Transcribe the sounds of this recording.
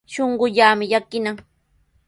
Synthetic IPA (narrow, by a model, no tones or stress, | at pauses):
ʃoɴɢʊʎaːmɪʎakɪnaŋ